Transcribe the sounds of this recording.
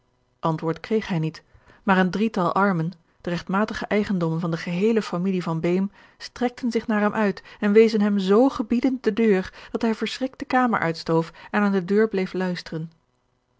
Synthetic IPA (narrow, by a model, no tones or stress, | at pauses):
ʔɑntʋʊːɹtkrejχɦɛjnit | maːrəndritɑlˠʔɑɹmən | d̥ərɛχtmaːtəχəʔɛjχəndɔmənvɑndəχəɦejləfamilivɑnbejm | strɛk̚tʰənzɪχnaːɹɦɛmʔœɥtɛnʋejzənɦɛmzowχəbidən̚dədøːrd̥ɑtɦɛjvəɹsrɪk̚təkaːmə̰ɹʔœ̰ɥtstowfɛnaːndədøːɹblejflœɥstərən